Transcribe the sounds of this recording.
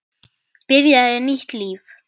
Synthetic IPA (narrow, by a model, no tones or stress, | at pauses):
pɪɾjaðɛniht̪liːf